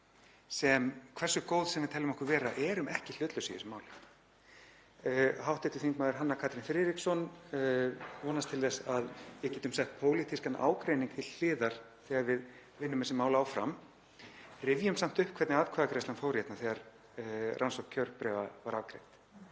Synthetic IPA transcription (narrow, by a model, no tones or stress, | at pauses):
sɛmkʰvɛr̥sʏkoːwðsɛmvɪɾt̪ʰɛlʏmɔhkvʏɾvɛːɾaʔɛɾʏmɛhcɪl̥ʏt̪lʏsiɪsʏmːaːwlɪxt̪ | hawht̪ɛht̪ɪθiŋkmaːðɪɾ̥ɦanːakʰaːt̪ɾinfɾɪɾiksɔn | vɔːnast̪ʰɪlθɛsaðjɛcɛːt̪ʏmsɛht̪̚pʰoːwlit̪ʰiskanʔa̰ːwkɾejniŋk̚t̪ʰɪlθɪːðaɾ̥ | θɛːɣaɾvɪð | vɪnːʏmɛsɪmaːwlaːwfɾa̰m | rɪvjʏmsam̥t̪ʏhpkʰvɛɾt̪nɪaːðkʰvaːðakɾejst̪anfoːwɾjɛt̪naθɛɣaɾ | rʔansɔhkʰːœɾppɾɛːvavaɾakɾḛjt̪